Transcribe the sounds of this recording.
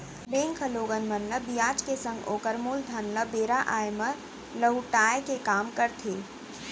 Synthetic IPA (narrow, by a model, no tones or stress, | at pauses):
beːŋkʰəloːɡənmənləbijaːt͡ʃkesə̃ŋɡoːkəɾmuːld̪ʱənləbeːɾaʔaːjmə | ləɦuʈaːjkekaːmkəɾt̪ʰeː